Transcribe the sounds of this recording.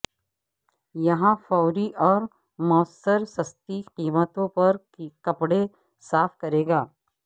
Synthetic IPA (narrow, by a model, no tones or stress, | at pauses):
jɐɦãfɔːʊɾiʔɔːɾ | mɔːsəɾsɐst̪iqiːmət̪õpɐɾ | kɐpɽe | saːfkɐɾeːɡaː